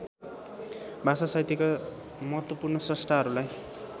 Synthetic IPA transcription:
bʱasasajt̪ika | mʌɦʌt̪wʌpurnʌsrʌst̪ʰaɦʌɾulaj

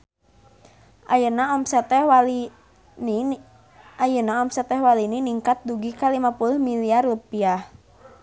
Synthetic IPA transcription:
ʔajənaɔmsɛt̪ɛ | ajənaɔmsɛt̪ɛɦwalininiŋkat̪̚duɡikalimapulʊhmiliarupiah

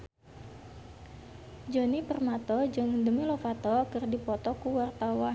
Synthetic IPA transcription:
d͡ʒɔnipərmat̪ɔd͡ʒɨŋdəmilɔfat̪ɔkɨrdipɔt̪ɔkuwart̪awa

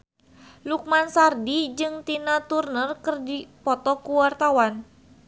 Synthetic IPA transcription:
luk̚mansardid͡ʒɨŋt̪inat̪urnərkərdipɔt̪ɔkuwart̪awan

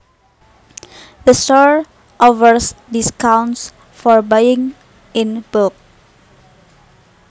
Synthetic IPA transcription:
dəstɔɹ | ʔovəɹsdiskãwns | fɔɹbajɪ̃ŋ | inbuk̚

